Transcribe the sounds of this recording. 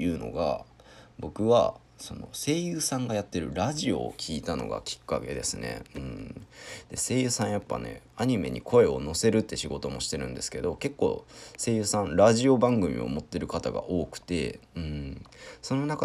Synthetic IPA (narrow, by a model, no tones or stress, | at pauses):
ɯ̟ːno̞̰ɡa̰bo̞kɯ̟βa̰ | so̞no̞̰se̞ːjɯ̟ːsãŋɡajat̪ːe̞ɾɯ̟ɾaʑio̞̰kʲʰiːt̪ano̞̰ɡa̰kʲi̥kːa̰ke̞d̪e̞sɨne̞̰ɯ̟̃ɴ | d̪̥e̞se̞ːjɯ̟ːsãɰ̃japːa̰ne̞̰aɲ̟ime̞̰ɲ̟ikʰo̞e̞o̞no̞se̞ɾɯ̟t̪ːe̞ɕiɡo̞t̪o̞mo̞ɕi̥t̪e̞ɾɯ̟̃nd̪e̞sɨ̥ke̞d̪o̞ke̞kːo̞̰ːse̞ːjɯ̟ːsãnɾaʑio̞bãŋɡɯ̟mʲḭo̞̰mo̞t̪ːe̞ɾɯ̟kat̪aɡa̰ʔo̞ːkɯ̟̥t̪e̞̰ɯ̟̃ɴso̞no̞naka